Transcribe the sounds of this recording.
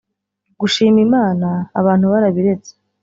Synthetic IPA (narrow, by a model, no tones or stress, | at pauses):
ɡuʃiːmimaːnaːβaːn̥huβaɾaβiɾe̞t͡se̥